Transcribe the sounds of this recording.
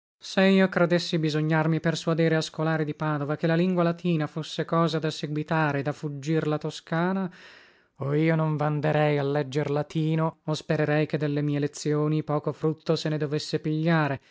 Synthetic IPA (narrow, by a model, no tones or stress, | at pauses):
seiːokɾed̪esːibizoɲːarmipersuad̪iːɾeaskolaːɾid̪ipaːd̪ovakelːaliŋɡwalat̪ʰiːnafosːekɔːzad̪aseɡwit̪aːɾed̪afud͡ʒːirlat̪oskaːna | oiːonoɱvand̪eɾɛjalːɛd͡ʒːerlat̪iːnoospeɾeɾɛjk̟ed̪ːelːemiːelet̪sːjoːnipɔːkofɾut̪ːosened̪ovesːepiʎːaːɾe